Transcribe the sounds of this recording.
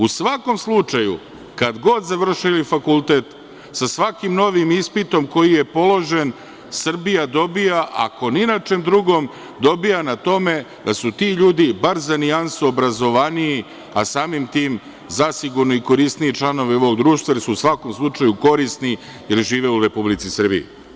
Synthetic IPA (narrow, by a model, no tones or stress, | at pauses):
usʋako̞mslˠut͡ʃajṵ | kad̪ɡo̞d̪zaʋr̩ʃilifakulˠt̪e̞t̪ | sasʋakimno̞ʋimispit̪o̞mko̞jije̞po̞lˠo̞ʒen | sr̩bijad̪o̞bijaʔa̰koninat͡ʃe̞md̪ɾuɡo̞m | d̪o̞bijanat̪o̞me̞d̪asut̪iːʎuːd̪ibaɾzaniansuobɾazo̞ʋanii | asaːmimt̪iːm | zasiɡuɾnoiko̞ɾist̪niit͡ʃlˠano̞ʋio̞ʋoɡd̪ɾuːʃt̪ʋaje̞lsuusʋako̞mslˠut͡ʃajuko̞ɾist̪ni | je̞ɾʒiːʋe̞uɾe̞publit̪sisr̩bḭḭ